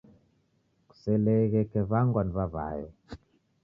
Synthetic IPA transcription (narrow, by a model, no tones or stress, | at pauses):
ku̥sɛlɛkɛkɛβaŋɡwanβaβa̰ːjɔ̰